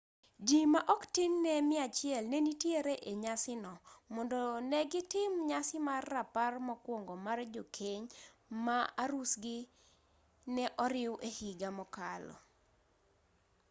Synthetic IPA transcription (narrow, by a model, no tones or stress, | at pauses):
d͡ʒimaʔɔktɪnnɛmɪat͡ʃɪɛlnɛnitjeɾeʔeɲasɪnɔmɔndɔnɛɡɪtɪmɲasɪmarːaparmɔkwoŋɡomard͡ʒokʰeɲmaaɾusɡɪ | nɛʔɔɾɪwʔehiɡamɔkalɔ̰